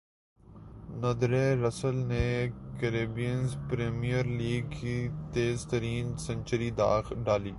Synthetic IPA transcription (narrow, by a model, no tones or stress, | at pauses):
nɐd̪ɾeːɾɐsəlnekəɾeːbijənzpɾeːmijəɾliːɡ̚kit̪eːzt̪əɾiːnsɐ̃ɲʲt͡ʃəɾid̪a̰ːxɖaːliː